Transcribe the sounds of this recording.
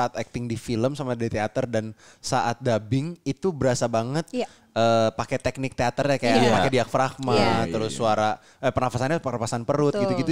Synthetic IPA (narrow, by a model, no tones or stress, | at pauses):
aat̪ɛk̚t̪ɪŋdifiləmsamadaɾit̪eat̪ərdan | saʔat̪̚dabɪŋit̪ubəɾasabaŋət̪̚ | əːpakɛt̪ɛk̚nɪk̚t̪eat̪ərɲakajapakediak̚fɾakmat̪əɾʊsːuaɾa | əpənafasanɲapənafasanpəɾʊt̪̚ɡit̪uɡiu